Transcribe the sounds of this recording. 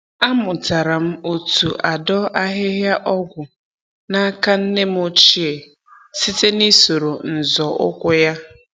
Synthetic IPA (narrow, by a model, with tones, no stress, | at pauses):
a˦mʊ˨ta˨ɾa˨m̩˦o˨tu˨ʔa˨dɔ˦ʔa˦ɦɪ˦ɦja˦ʔɔ˦ɡʷʊ˨ | na˦a˦ka˦n̩˦ne˦m̩˦o˦t͡ʃi˦e˨ | si˦te˦ni˦so˨ɾo˨n̩˨zɔ˨ʔʊ̰˦kʷʊ˦ja˦